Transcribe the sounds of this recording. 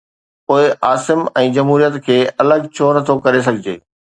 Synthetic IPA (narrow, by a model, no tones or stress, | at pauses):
poːɪʔaːsɪmɛ̃ːd͡ʑɐmɦuːɾijət̪kʰeːɐləɡt͡ɕʰoːnɐt̪ʰokɐɾes̬ɐɡʱɪd͡ʑḛː